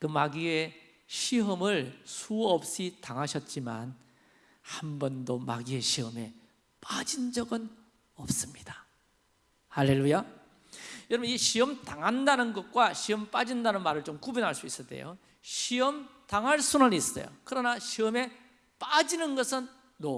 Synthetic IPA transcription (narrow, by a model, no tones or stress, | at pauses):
kɯmaɡie | ɕʰiɦɯmɯɭsʰuʌp̚ɕ͈itaŋɦaɕʰʌt̚t͡ɕ͈ima̰n | hambʌndoma̰ɡie̞ɕʰiɦɯme̞ | pad͡ʑind͡ʑʌɡɯn | ʌp̚s͈ɯmɲid̥ḁ | halːe̞lːuja | jʌɾʌbɯniɕʰiʌmtaŋɦandanɯnɡʌt̚k͈waɕʰiʌmp͈ad͡ʑindanɯnmaɾɯɭt͡ɕomkubjunɦaɭs͈uis͈ʌt͈ḛjo̰ | ɕʰiʌmtaŋɦaɭsʰunaniːs͈ʌ̰jo̰kɯɾʌnaɕʰiʌme̞ | p͈ad͡ʑinɯnɡʌsʰɯnː | o